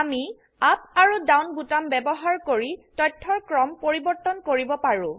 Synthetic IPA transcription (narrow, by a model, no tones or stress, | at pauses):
ami | ap̚aɹudawnbutambɛbɔɦaɹkoɹitɔjtʰːɔɹkɹɔmpoɹibɔɹtːɔnkoɹibɔpaɹʊ̃